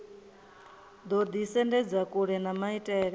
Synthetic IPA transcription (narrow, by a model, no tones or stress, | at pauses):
d̪ɔd̪isɛndɛd͡zakʼuɺɛnamaitʼɛːɺɛ